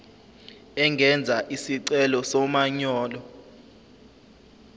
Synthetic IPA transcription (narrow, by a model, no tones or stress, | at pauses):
ɛŋʱɛnd͡zʱaʔisiǀɛlɔsɔmaɲɔːlɔ